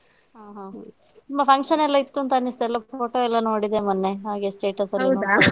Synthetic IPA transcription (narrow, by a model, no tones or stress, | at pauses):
ɦaːɦã | mɐpʰɐŋkʂɐnɛlːɐit̪ːunt̪ɐnist̪ɛlːɐpoːʈoɛlːɐnoːɽid̪emɐnːeɦaːɡesʈeːʈɐsɐlen